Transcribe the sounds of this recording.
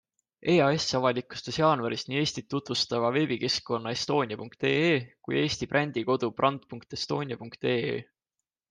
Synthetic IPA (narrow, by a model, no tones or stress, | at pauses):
ʔe̞ːɑe̞sːɑvɑlikːˑu̥st̪esjɑːnvɑɾisniːe̞ːsʲt̪it̪ːut̪vust̪ɑvɑve̞bike̞skkːo̞nːɑe̞st̪o̞ːnʲiɑpuŋkt̪e̞̰ːeːkṵje̞ːst̪ibrʔænʲd̪̥iko̞d̪uprʔɑnd̪̥̚puŋk̚t̪e̞st̪o̞ːnʲijɑpuŋkt̪e̞ːḛː